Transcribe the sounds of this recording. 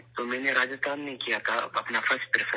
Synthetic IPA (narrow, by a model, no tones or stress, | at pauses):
t̪omɛ̃ːneɾaːd͡ʒət̪aːnːekijat̪ʰaɐpnafɐɾsʈpɾɪsə